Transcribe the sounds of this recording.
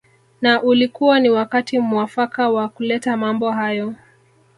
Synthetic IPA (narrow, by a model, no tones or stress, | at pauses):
naʔulikuwaniwakatimuafakawakulɛtamambɔɦajɔ